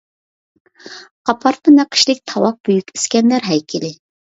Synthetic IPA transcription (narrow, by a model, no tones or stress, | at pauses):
qɑpʰɑɾt̪̚ənɛqʰi̥ʃlɪk̚ʲt̪ʰɑwɑq̚b̥yjykʲi̥skʲɛnlæɾɦɛjkʲʰɪlɪ